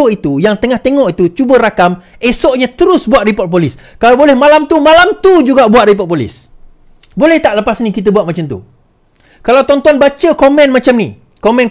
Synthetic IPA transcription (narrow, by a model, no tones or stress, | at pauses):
oit̪ujaŋt̪əŋaht̪eŋɔʔit̪ut͡ʃubəɾakam | esɔʔɲãt̪əɾʊsbuat̪̚ripɔt̪̚p̬oliskalawbolɛhmãlamt̪umãlamt̪ud͡ʒuɡaʔbuat̪̚ripɔt̚polḭs | bolɛht̪aʔləpasnikit̪̬əbuat̪̚mat͡ʃamt̪ṵ | kalawt̪ɔnt̪uanbat͡ʃəkomɛ̃nmãt͡ʃamnḭ | komɛ̃n